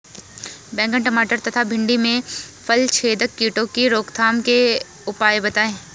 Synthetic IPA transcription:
bɛ̃ːŋɡəɳʈɐmaːʈəɾt̪ɐt̪ʰabʱɪ̃ɳɖimẽfʰəlt͡ʃʰeːd̪əkːiːʈõkiɾoːkt̪ʰaːmke | ʊpaːjbɐt̪aːẽː

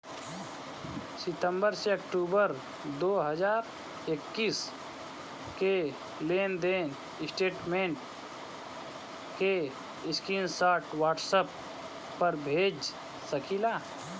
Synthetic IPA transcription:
sɪt̪ə̃mbəɾseəkʈuːbəɾ | d̪oːɦəd͡ʒaːɾ | ekːiːs | ke | leːnd̪eːn | ɪsʈeːʈmẽːɳʈ | ke | ɪskiːnsaːʈwaːʈsəpː | əɾbʱeːd͡ʒ | səkʰiːlaː

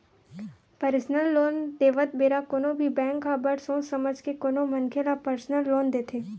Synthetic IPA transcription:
pəɾsnəlːoːnd̪eːʋət̪̚beːɾakonõbʱibɛ̃ːŋkɦabəɽsõːsɐməd͡ʒʱkekoːnomɐnkʰelapəɾsnəlːoːnd̪eːt̪ʰeː

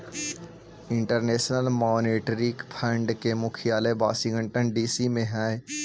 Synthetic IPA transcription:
ɪ̃ɳʈəɾneːʃnəlmɔːneːʈɾikpʰə̃ɳɖkemʊkʰijaːlebaːʃɪ̃ŋɡəɳʈənɖiːsimẽɦɛ̃ː

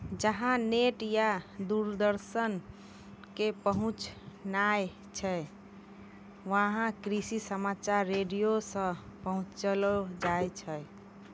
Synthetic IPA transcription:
d͡ʒəɦãneʈjad̪uɾd̪əɾsən | kepəɦũt͡ʃnaj | t͡ʃʰɛ | ʋəɦãkɾisisəmat͡ʃaɾːeɖijosə̃pəɦũt͡ʃt͡ʃəlod͡ʒajt͡ʃʰɛ

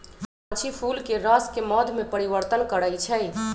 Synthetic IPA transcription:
pət͡ʃʰipʰulkeɾəskemɔd̪ʱmepəɾiʋəɾt̪ənkəɾət͡ʃʰɛj

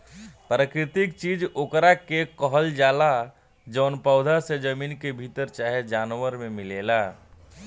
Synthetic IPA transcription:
pɾəkɾɪt̪ɪkt͡ʃiːd͡ʒoːkɾakekɔɦəld͡ʒaːla | d͡ʒɔːnpɔʊd̪ʱased͡ʒəmiːnkebʱit̪əɾt͡ʃaːɦed͡ʒaːnwəɾmẽmɪleːlaː

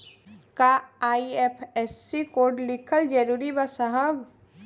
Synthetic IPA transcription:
kaaːiepʰɛsːikoːɾɖlɪkʰəld͡ʒəɾuːɾibasəɦəb

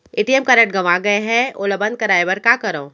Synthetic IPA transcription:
eːʈiemkɐɾə̃ʈ̚ɡɐʋaɡɐeɦɛ̃oːlɐbɐ̃nd̪̚kɐɾaːebɐɾkakɐɾõː

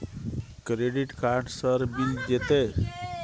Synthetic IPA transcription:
kɾeɖiʈkaɾɖsəɾbild͡ʒet̪e

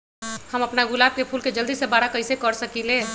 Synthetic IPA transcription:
həməpnaɡulab̚kepʰulked͡ʒəld̪isebaɾakəjsekəɾsəkile

